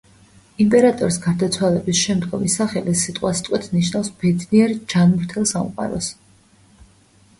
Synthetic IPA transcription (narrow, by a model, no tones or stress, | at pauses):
impʼɛɾat̪ʼɔɾisɡaɾd̪at̪sʰwalɛbisʃɛmd̪ɡɔmisaχɛlisit̪ʼqʼwast̪ʼqʼwɛt̪ʰniʃnafsb̥ɛd̪niɛɾd͡ʒanmɾt̪ʰɛlˠsamqʼa̰ɾɔ̰s